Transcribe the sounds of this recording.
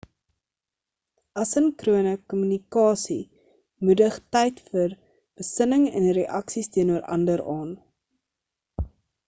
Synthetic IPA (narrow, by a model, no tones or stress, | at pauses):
ɐsənkruənəkɔmynikɑːsi | mudəχtɛjtfər | b̥əsənəŋɛ̰nreʔɐksistiənuəɾʔɐ̰ndəɾɑːn